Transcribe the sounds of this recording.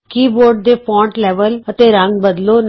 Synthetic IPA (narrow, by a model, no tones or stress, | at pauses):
kiːboɾɖ̚d̪epɔ̃ɳʈlɛʋələt̪eɾãŋɡbəd̪lon